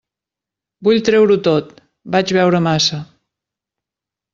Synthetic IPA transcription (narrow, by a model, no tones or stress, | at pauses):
buʎt̪ɾɛwɾut̪ot̪ | bad͡ʒβɛwɾəmasə